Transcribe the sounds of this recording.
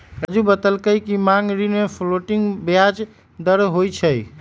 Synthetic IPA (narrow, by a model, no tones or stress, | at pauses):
əd͡ʒubət̪əlkəjkimaŋɡɾinmepʰloʈiŋɡbjad͡ʒ | d̪əɾɦojt͡ʃʰəj